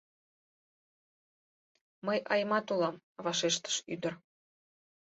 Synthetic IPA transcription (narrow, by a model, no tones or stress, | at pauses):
məjʔɑjmɑt̪ulɑm | βɑʃeʃt̪ə̥ʃy̰d̪ər